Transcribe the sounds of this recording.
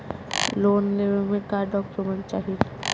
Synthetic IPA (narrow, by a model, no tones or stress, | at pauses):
loːnleʋmẽkaːɾɖɔːkomə̃nt͡ʃaːɦil